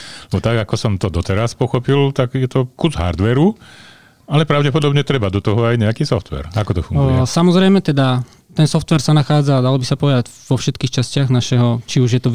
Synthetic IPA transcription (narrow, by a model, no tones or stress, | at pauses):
ɛbɔt̪aɡakɔsɔmt̪ɔd̪ɔt̪ɛɾaspɔxɔpilt̪aɡjɛt̪ɔkuzɦa̰ɾd̪ʋɛɾu | alɛpɾaʊɟɛpɔd̪ɔbɲɛt̪ɾɛbad̪ɔt̪ɔɦɔajɲɛakiːsɔft̪ʋɛ̰ɾakɔt̪ɔfuŋuɛsamɔzɾɛjmɛt̪ɛd̪a | t̪ɛnsɔft̪ʋɛɾsanaxaːd͡zad̪alɔbisapɔʋɛd̪aɟ | ʋɔfʃɛt̪kiːxt͡ʃascɪaɣnaʃɛɦɔt͡ʃiuʒjɛt̪ɔ